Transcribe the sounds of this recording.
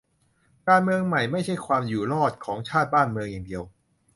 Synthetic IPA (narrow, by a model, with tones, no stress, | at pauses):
kaː˧nmɯ˧əŋma˨˩jma˥˩jt͡ɕʰa˥˩jkʰwaː˧mjuː˨˩lɔː˥˩t̪̚kʰɔː˩˦ŋt͡ɕʰaː˥˩t̪̚baː˥˩nmɯ˧əŋjaː˨˩ŋdi˧əw